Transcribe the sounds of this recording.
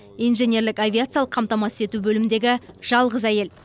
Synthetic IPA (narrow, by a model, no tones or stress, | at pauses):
ijnʒe̞nʲe̞ɾlɪkavʲiat̪sɨjalˠəqʰːɑmt̪ɑmɑsɪ̥se̞t̪ubɵlɪmɪnd̪e̞ɡʲɪʒ̥ɑlˠʁəzæje̞l